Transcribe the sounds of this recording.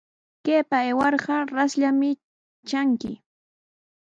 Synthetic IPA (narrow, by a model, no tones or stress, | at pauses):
keːpaewɑɾɢɑɾasʎamɪ | t͡ʃaŋkɪ̰